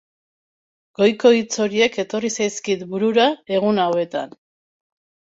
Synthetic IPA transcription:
ɡ̥o̞jko̞it͡so̞ɾie̞ke̞t̪o̞risajskit̪buɾuɾae̞ɣ̞unawe̞t̪a̰n

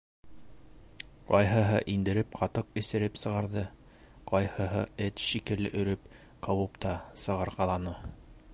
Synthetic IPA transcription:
qɑjɦɤ̆ɦɤʔind̪ɘ̆ɾɘp̚qʰɑt̪ɤqɘ̆sɘ̆ɾɘpsɤ̆ʁɑɾðɤ | qɑjhɤ̆ɦɤ̰ɘt̪ʃikɘ̆lɘʔɵ̆ɾɘp | qʰɑwɤpt̪ɑsɤ̆ʁɑɾʁɑlˠɑnɤ

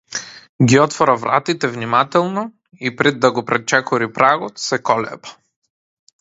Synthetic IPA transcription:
ɡʲiɔt̪fɔɾavɾʔa̰t̪it̪ɛvnimat̪ɛlˠnɔ | ipɾɛd̪ːaɡɔpɾɛt͡ʃɛkɔɾipɾaɡɔt̪sɛkɔlɛ̰pḁ

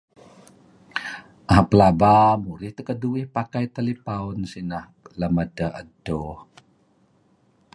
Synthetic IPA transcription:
ʔaapəlabamuɾiht̪əkəduihpakajt̪alipaunsinah | ləmədəə̰do

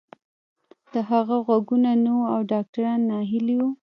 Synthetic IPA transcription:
d̪̥əɦaɣaɣwaɡunanawuawɖɑk̚ʈaɾɑnːɑɦɪliwu

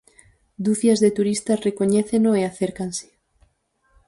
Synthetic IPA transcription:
d̪uθjazðet̪uɾist̪asrekoɲeθenoeaθeɾkanse̥

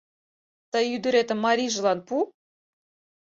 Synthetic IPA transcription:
t̪ɑjyd̪ə̆ɾet̪ə̆mːɑɾʲiʒə̆lɑnpu

